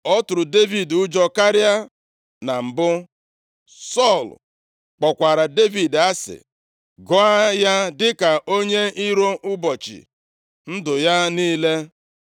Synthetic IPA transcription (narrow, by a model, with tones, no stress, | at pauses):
ɔ˦tʊ˨ɾʊ˨de˦vi˨dʊ˦d͡ʒɔ˦ka˦ɾja˦ | na˨m̩˨bʊ˦ | sɔ˦˨l | k͡pɔ˨kʷa˨ɾa˨de˦vi˨da˦sɪ̰˨ | ɡʊ˦a˦ja˦dɪ˦ka˨ʔo˦ɲe˦i˦ɾo˦ʔʊ˦bɔ˨t͡ʃɪ̰˨ | n̩˦dʊ˨ja˦niː˦le˦